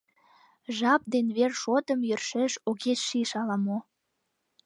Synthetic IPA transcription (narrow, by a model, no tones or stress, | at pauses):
ʒɑp̚d̪enβerʃot̪ə̆mjørʃeʃoɣeʃʃiʃɑlɑmo